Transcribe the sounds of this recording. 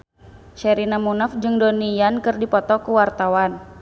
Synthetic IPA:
ʃɛɾinamunafd͡ʒɨŋdɔnijankɨrdipɔt̪ɔkuwart̪awan

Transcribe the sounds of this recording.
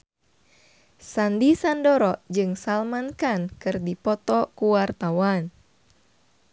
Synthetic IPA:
sandisandɔɾɔʔd͡ʒɨŋsalmankankɨrdipɔt̪ɔkuwart̪awan

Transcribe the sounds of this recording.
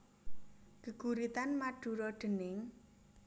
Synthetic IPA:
ɡ̥əɡ̥uɾit̪anmaɖ̥ṳɾɔɖ̪̥ə̤nɪŋ

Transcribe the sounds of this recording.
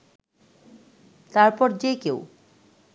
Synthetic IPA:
t̪aɾpɔɾd͡ʑejkew

